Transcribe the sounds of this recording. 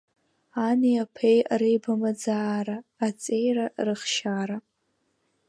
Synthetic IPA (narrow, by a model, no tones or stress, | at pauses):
aniapʰejaɾejbamad͡zaːɾaːt͡sʼe̞jrarɨχʃaɾa